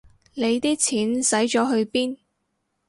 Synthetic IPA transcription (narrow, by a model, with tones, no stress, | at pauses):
le˨˧jt̪iː˥t͡sʰiː˨˥nsɐ˨˥jt͡ʃɔː˨˥ɦɵ˧ɥpiː˥n